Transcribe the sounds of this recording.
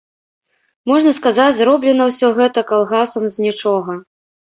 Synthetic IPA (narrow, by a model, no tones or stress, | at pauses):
mɔʐnɐskazat͡sʲzɾɔblʲɛnɐwsʲɔɣɛt̪ɐkalˠɣasɐmzʲnʲit͡ʂɔɣɐ